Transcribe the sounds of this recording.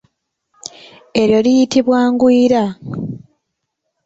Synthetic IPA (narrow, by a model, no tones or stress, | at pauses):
e̞ɾjo̞lijitiβwaːŋɡwiːɾa